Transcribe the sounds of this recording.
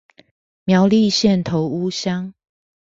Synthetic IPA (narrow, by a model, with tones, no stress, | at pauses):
mjɑ˨˦ʊli˥˨ɕjɛ˥˨nt̪ʰo˨˦ʊu˦ɕjɑ˦ŋ